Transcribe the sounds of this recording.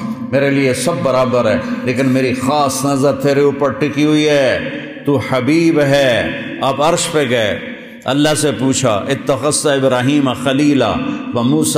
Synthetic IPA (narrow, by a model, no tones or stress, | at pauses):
meːɾeliesɐbːɐɾaːbəɾɦɛːleːkɪnmeːɾixaːsnɐzəɾt̪ʰeːɾiʊpəɾʈʰɪkiɦʊiɦɛː | t̪uħɐbiːbɦɛː | aːpɐɾʃpeɡɐe | ɐlːasepuːt͡ʃʰa̰ʔɪt̪ːɐxɐsːaɪbɾaːɦiːmaxɐliːla̰ːʋɐmuːs